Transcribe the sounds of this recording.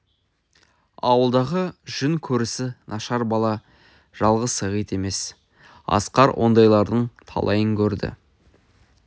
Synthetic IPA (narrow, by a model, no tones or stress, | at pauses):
ɑwəlˠd̪ɑʁəʒ̥ʏnkʲʰɵɾɪsɪnʔɑʃɑɾbɑlˠɑ | ʒ̥ɑlˠʁəzəʁəjt̪e̞me̞s | ɑ̰sqɑɾwʔo̞̰nd̪ɑjlˠɑɾd̪əɴt̪ʰɑ̰lˠɑjəŋkʲʰɵɾd̪ɪ̰